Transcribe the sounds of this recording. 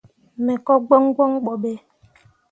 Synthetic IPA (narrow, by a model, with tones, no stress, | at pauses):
mɛ˨kɔ˦ɡ͡bɔ˦ŋ˦ɡɔ˦ŋ˦ɡ͡bɔ˨be˦